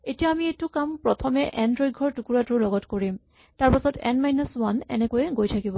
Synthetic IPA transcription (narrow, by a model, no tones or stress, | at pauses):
etijaːmietʊkampɹɔtʰɔmɛʔɛndɹɔjd̚ɡʱɔɹtukuɹatʊɹlɔɡɔtkoɹim | taɹpasɔtɛ̰nmajnɔswanɛ̰nɛkojɛɡojtʰakibɔ